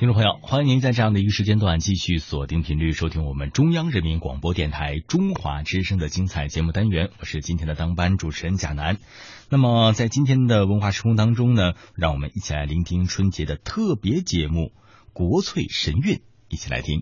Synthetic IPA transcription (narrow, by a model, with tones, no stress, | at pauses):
t̪ʰŋʈ͡ʂʊ˥˧pʰɤ˧˦ŋjo˥˩ʊxwa˥ni˧˥ŋni˧˥nt͡sa˥˧ɪʈ͡ʂɤ˥˧jɑ˥˩ŋd̪ə˩i˧˥ɡə˧ʂɻt͡ɕjɛ˥nt̪wa˨˩nt͡ɕi˥˧ɕy˥˩swɔ˨˩t̪i˥ŋəpʰi˧˥nly˥˩ʂo˥ʊi˥ŋwɔ˨˩mə˦nʈ͡ʂʊ˥ŋjɑ˥ŋɻə˧˥nmi˧˥nkwɑ̰˨˩ŋpwɔ˥t̪jɛ˥˩nt̪ʰa˧˥ɪʈ͡ʂʊ˥ŋxwa̰˧˥ʈ͡ʂɻ̩˥ʂɤ˥ŋd̪ə˨t͡ɕi˥ŋt͡sʰa˨˩ɪt͡ɕjɛ˧˥mu˥˩t̪a˥nɥɛ˧˥nwɔ˨˩ʂɻ̩˥˩t͡ɕi˥nt̪ʰjɛ˥nd̪ə˨t̪ɑ˥ŋpa˥nʈ͡ʂu˨˩ʈ͡ʂʰə˧˥nt͡ɕja̰˨˩na˧˥n | na˥˩mə˨˩t͡sa˥˩ɪt͡ɕi˥nt̪ʰjɛ˥nd̪ə˨wə˧˥nxwa˥˩ʂɻkʰʊ˥ŋt̪ɑ˥ŋʈ͡ʂʊ˥ŋnə˨ɻɑ˥˩ŋwɔ˨˩mə̰˦ni˥˩t͡ɕʰi˨˩la˧˥ɪli˧˥ŋt̪ʰi˥ŋʈ͡ʂʰwə˥nt͡ɕjɛ˧˥d̪ə˨t̪ʰɤ˥˩pjɛ˧˥t͡ɕjɛ˧˥mu˥˩ | kwɔ˧˥t͡sʰwe˥˩ɪʂə˧˥ny˥˩n | i˥˩t͡ɕʰi˨˩la̰˧˥ɪi˥ŋ